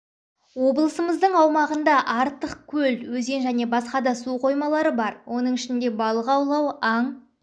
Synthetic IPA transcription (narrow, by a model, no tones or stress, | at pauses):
wo̞blˠəsəməzd̪əɴɑwmɑʁənd̪ɑʔɑɾt̪əq̚kʲʰɵlwɵze̞nʒæne̞bɑsqɑd̪ɑsuqʰo̞jmɑlˠɑɾəbɑɾwʔo̞nəɴɪʃɪnd̪e̞bɑlˠəʁɑwlˠɑwɑɴ